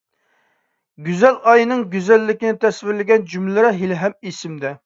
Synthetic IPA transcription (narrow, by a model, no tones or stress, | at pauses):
ɡʲyzɛlɑjnɨŋɡʲyzɛlːɪkʲinɪt̪ʰɛsvɪɾlɪɡʲɛnd͡ʒymlɪɾɛɦilɦɛmisɪmd̪ɛ